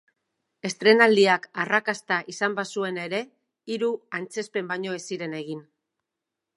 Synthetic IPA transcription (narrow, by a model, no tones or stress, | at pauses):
e̞st̪ɾe̞nald̪iakarakast̪aʔisambasue̞ne̞ɾe̞ | iɾuant͡se̞spe̞mbaɲo̞e̞siɾe̞ne̞ɣ̞in